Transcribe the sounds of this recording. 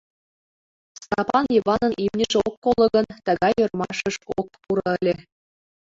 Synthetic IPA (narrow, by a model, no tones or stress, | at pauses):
st̪ɑpɑnjivɑnɤ̆nʔimnʲiʃeokːolˠɤ̆ɣɤ̆nt̪ɤ̆ɣɑjŏrmɑʃɤ̆ʃok̚puɾɤ̆əlʲe